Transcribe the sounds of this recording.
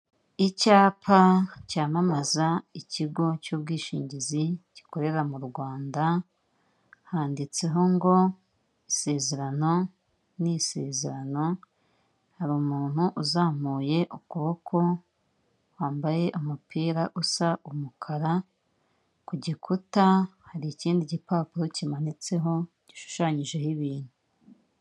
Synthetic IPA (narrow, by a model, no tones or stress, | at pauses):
icaːpʰacaːmamazaiciɡo̞cuːb̚ɡiːʃiːɲɟiziɟi̥ko̞ɾe̞ɾamuɾɡwaːnda | haːndit͡se̞ɦo̞ŋɡo̞ | ise̞ːze̞ɾano̞ | nise̞̰ːze̞ɾano̞ | haɾumuːn̥huʔuzaːm̥uːje̞ʔukuβokʰo̞ | waːmbaje̞ʔumupʰiːɾaʔusaʔumukʰaɾa | kuɟikʰutahaɾiːciːndiɟipaːpuɾocimanit͡se̞ɦo̞ | ɟ̥iʃu̥ʃaːɲiʒe̞hiβiːn̥hu